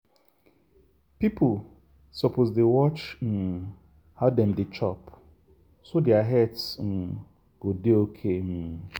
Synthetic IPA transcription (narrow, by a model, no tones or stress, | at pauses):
pipʰʊl | sɔpʰozdewɔt͡ʃn̩ | haʊdɛmdɪt͡ʃɔp | sodɛaɦɛtsn̩ | ɡ̥odeokʰem̩